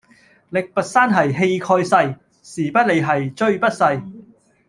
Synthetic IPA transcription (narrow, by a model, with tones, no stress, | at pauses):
lɪ˨k̚pɐ˨t̚saː˥nɦɐ˨jɦe˧jkʰɔː˧jsɐ˧j | siː˨˩pɐ˥t̚le˨˧jɦɐ˨jt͡ʃɵ˥˧ɥpɐ˥t̚sɐ˧j